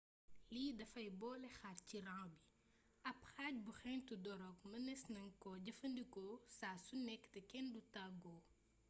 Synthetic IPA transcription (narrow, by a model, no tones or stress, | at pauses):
liːdɐfɐjbɔːlɛxarciɾãŋbi | ɐpxaːc̚buxɛntudɔɾɔkmɐnɛsnɐŋkɔɟɐfɐndikɔsaːsunɛkːtɛkɛndutaɡɔː